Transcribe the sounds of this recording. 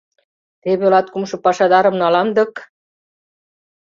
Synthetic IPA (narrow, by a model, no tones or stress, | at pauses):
t̪eβelɑt̪kumʃɤ̆pɑʃɑd̪ɑɾə̆mnɑlɑmd̪ɤ̆k